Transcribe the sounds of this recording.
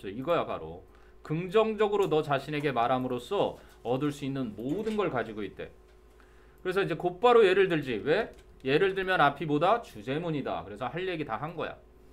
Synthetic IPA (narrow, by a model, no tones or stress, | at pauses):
s͈oiɡʌjapa̰ɾo̰ | kɯŋd͡ʑʌŋd͡ʑʌɡɯɾonʌt͡ɕaɕʰine̞ɡe̞maɾɦamɯɾos͈ʰʌ | ʌdɯɭs͈uinːɯnmodɯnɡʌɭkad͡ʑiɡoit̚t͈e̞̰ | kɯɾe̞sʰʌid͡ʑe̞kop͈aɾoje̞ɾɯɭdɯɭd͡ʑiwe̞ | je̞ɾɯɭdɯɭmjʌnapʰibodat͡ɕud͡ʑe̞muɲida̰kɯɾe̞sʰʌhaɭːe̞ɡitaɦanɡʌ̰ja̰